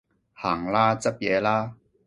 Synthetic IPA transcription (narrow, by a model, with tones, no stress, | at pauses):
haː˨˩ŋlaː˦˥t͡sɐ˥p̚jɛː˨˧laː˦˥